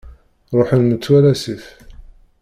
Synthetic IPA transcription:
ɾˤoħənmət͡sːwælæsif

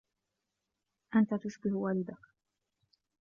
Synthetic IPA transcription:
ʔant̪at̪ʊsbɪhwaːlɪd̪ak

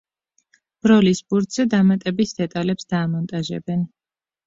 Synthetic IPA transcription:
b̥ɾɔlisbuɾt̪z̥ɛd̪amat̪ʼɛbisd̪ɛt̪ʼalɛpsd̪̥aːmɔnt̪ʼaʒɛ̰bɛn

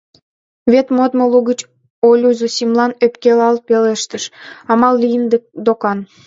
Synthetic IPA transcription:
βet̪mod̪moluɣət͡ɕ | olʲuzusʲimlˠɑnøpkelɑlpeleʃt̪əʃɑmɑlːijənd̪d̪okɑn

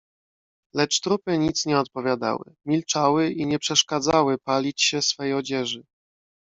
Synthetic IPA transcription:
lɛt͡ʂt̪ɾupɘɲit̪sɲɛɔt̪̚pɔvʲjad̪a̰wɘ̰mʲilt͡ʂawɘiɲɛpʂɛʂkad̪zawɘpalʲit͡ɕɕɛsfɛjɔd͡ʑɛʐɘ

